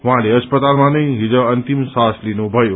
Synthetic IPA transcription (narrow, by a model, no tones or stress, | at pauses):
ɦʊʋãleɐspət̪aːlmãnɐĩɦid͡ʑəɐ̃nt̪imsaːslinobʱɐjo